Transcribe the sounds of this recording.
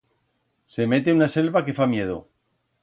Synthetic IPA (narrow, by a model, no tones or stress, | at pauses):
se̞me̞t̪e̞unase̞lβake̞famje̞ð̞o̰